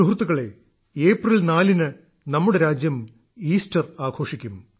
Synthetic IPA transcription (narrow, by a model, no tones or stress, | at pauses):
uɦrt̪ːuɣɐɭe̞ | eːprɐlnaːlinɨ | nɐmːuɽe̞ɾaːd͡ʑjɐm | iːstɐraːɡʰʱo̞ːʂikʲːum